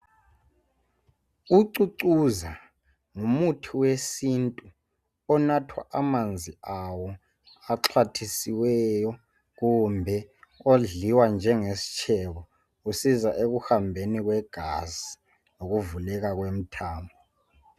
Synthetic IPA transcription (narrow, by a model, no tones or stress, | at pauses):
uǀuǀuza | ŋumutʰiwesintʼu | ɔnatʰwa̰ʔamand͡zʱiawɔ | aǁʰatʰisiwɛjɔ | k̬umbʱɛoɮiwand͡ʒʱɛŋesi̥t͡ʃʰɛɓɔ | usizaʔek̬uhambʱenik̬wɛɡ̥ʱazi | nok̬uvulɛk̬ak̬wem̩tʰaːmbʱɔ